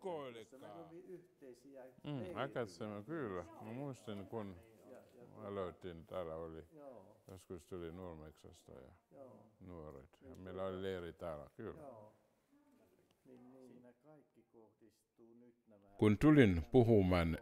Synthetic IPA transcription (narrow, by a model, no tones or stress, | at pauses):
koilekːɑ | m̩ːɑkɑt̪semækyːlːæmæmuist̪inkun | ɑ̰loit̪ːint̪æːlːæolijoskust̪ulinuormeksɑ̰st̪ɑ̰jɑ̰nuoro̰it̪jɑmeilæolileːrit̪æːlæ̰kylːæ̰ | kunt̪ulinpuhumɑn